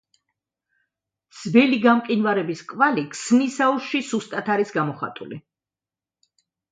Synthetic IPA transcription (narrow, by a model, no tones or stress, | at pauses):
z̥bɛliɡamqʼinvaɾɛbiskʼvalikʰʼsnisauʃʃisust̪ʼat̪ʰaɾisɡamɔχa̰t̪ʼṵlḭ